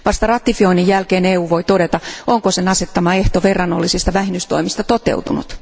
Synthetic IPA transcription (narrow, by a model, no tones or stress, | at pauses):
ʋɑst̪ɑrɑt̪ːˑifio̞inijjælkeːneːuːʋo̞jt̪o̞de̞t̪ɑoŋkosenɑset̪ːɑmɑe̞ht̪oʋe̞rːɑnːolːisist̪ɑʋæhinːyst̪o̞̰imist̪ɑt̪ot̪e̞̰ut̪unṵt̪